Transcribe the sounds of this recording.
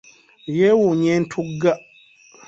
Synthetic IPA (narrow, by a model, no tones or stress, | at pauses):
jewuɲɛ̃n̩tʰuɡːa